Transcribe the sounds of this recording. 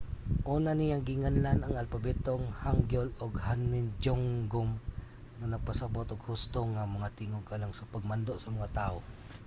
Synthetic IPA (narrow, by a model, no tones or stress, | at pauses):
ʔuːnanijaŋɡɪŋanlanaŋalpabɛt̪oŋhaŋɡjolʊɡhanmɪnd͡ʒoŋɡʊm | ŋanaɡ̚pasabot̪ʊɡhʊst̪oŋamaŋat̪ɪŋoɡalaŋsapaɡ̚mand̪oʔsɐmaŋat̪aʔo